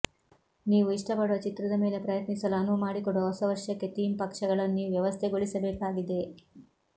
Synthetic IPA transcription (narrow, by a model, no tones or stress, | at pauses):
niːʋuiʂʈɐpɐɽuʋɐt͡ʃit̪ɾɐd̪ɐme̞ːle̞pɾɐjɐt̪nisɐlaːnumaːɽikɔɽɐɦɔsɐʋɐɾʂjɐkːe̞t̪iːmpɐkʂɐɡɐɭɐnːiʋjɐʋɐst̪ʰeɡoɭisɐbeːkaːɡid̪e̞